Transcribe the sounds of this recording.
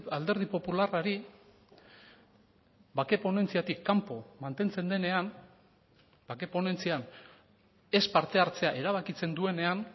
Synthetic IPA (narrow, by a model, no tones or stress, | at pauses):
ald̪e̞ɾð̞ipo̞pularaɾi | bake̞po̞ne̞nt͡siat̪ikːampo̞mant̪e̞nt͡se̞nd̪e̞ne̞an | b̥ake̞po̞ne̞nt͡sian | e̞spaɾt̪e̞aɾt͡se̞aʔe̞ɾaβ̞akit͡se̞nd̪ue̞ne̞an